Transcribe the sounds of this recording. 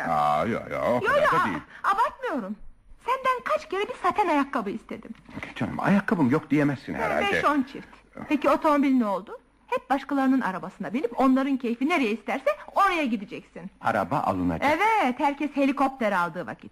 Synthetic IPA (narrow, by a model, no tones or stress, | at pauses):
ajo̰jo̰joaeiabakmɯjo̞ɾumsænd̪ænkʰat͡ʃcʰe̞ɾɛbisat̪ʰɛnajakːabɯist̪ʰe̞d̪imt͡ʃʰɛnma̰jakːabɯmjok̚d̪ijemæsːḭnhɛ̰ɾa̰lbɛd̪ʃɛont͡ʃʰift̪ | pʰecio̞t̪ʰo̞mo̞bilʲnɛo̞lˠd̪ʊ | hɛp̚baʃkalˠaɾɯnɯna̰ɾabasɯnabilʲipo̞nlˠaɾɯncʰe̞jfineɾejɛist̪ʰæɾsɛo̞ɾajaɟid̪id͡ʒɛcsina̰ɾa̰ba̰ʔa̰lˠɯna̰d͡ʒaevɛt̪hæɾcʰɛshe̞lʲiko̞p̚t̪ʰeɾalˠd̪ɯːva̰cʰit̪̚